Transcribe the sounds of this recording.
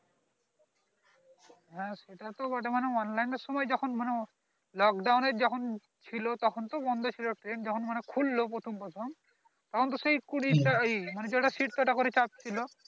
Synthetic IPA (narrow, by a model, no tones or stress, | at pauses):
ɦãseʈat̪ɔbaʈemanɛɔnlajnɔsɔmɔjd͡ʒɔkʰɔnmane | lɔk̚ɖawned͡ʒɔkʰɔn | t͡ʃʰilɔt̪ɔkʰɔnt̪ɔbɔnd̪ʱɔt͡ʃʰilɔʈɾend͡ʒɔkʰɔnmanekʰulːɔpot̪ʰɔmpɔt̪ʰɔn | t̪ɔkʰɔnt̪ɔsejkuɽitaimaned͡ʒɔʈasiʈ̚t̪ɔɛʈakɔɾit͡ʃap̚t͡ʃʰilɔ